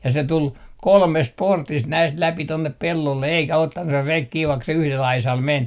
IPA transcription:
jɑ se tul kolmest portist næist læpi tonːep pelːolːe eikæ otːɑn se rek kiː ʋɑik se yhlel ɑisɑl men

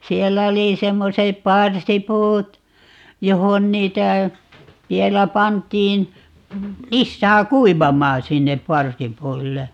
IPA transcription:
sielːæ oli semːosep pɑrsipuːt johon niːtæ ʋielæ pɑntˑiːn lisːæː kuiʋɑmɑːn̞ sinːep pɑrsipuilːe

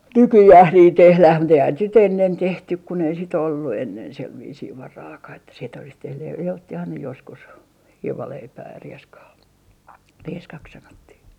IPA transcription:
nykyjæːh niːh tehlæh mut eihæn sit enːen tehtyk kun ei sit olːu enːen seʋ ʋiːsiː ʋɑrɑːkɑh etːæ sit olis tehnyj jɑ otːihɑn ne joskus hiːʋɑleipæː jɑ rieskɑː rieskɑk sɑnotːih

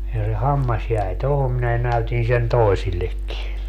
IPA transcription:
jɑ se hɑmːɑs jæi tohom minæ næytin sen toisilːekːi

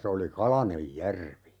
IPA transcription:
se oli kɑlɑnej jærʋi

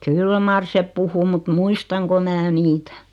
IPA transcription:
kyl mɑr sep puhu mut muistɑŋko mæː niːtæ̥

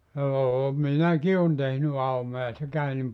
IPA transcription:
joː minæki on tehny ɑumojɑ se kæy nim

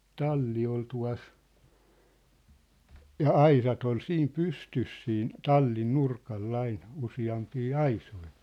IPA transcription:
tɑlːi ol tuɑ̝s jɑ ɑisɑt ol siːm pystys siːn tɑlːin nurkɑlː ɑin usiɑmpiː ɑisoi

